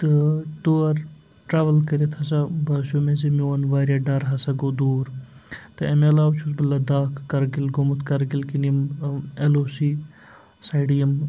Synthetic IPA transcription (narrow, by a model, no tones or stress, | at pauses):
t̪ɨʈoːɐɾ | ʈɾaːʋɐlkəɾet̪ʰɐsabaːsomẽzemiwɐnʋaːɾjaːɖɐɾɦɐsaɡod̪uːɾ | t̪ɨɐmeɐlaːwt͡ʃʰus̬bɐlːad̪aːkʰːɐɾɡilɡomut̪ʰkɐɾɡilkinijɐmeloːsiː | saiɖijɐm